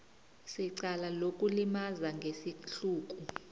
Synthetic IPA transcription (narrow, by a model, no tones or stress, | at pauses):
siǀalalokʼulimazaŋɡʱesiɬuːk̬ʼu